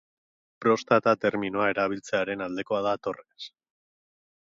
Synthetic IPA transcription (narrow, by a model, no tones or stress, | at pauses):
pɾo̞st̪at̪at̪e̞ɾminoae̞ɾaβ̞ilt͡se̞aɾe̞nald̪e̞ko̞að̞at̪o̞res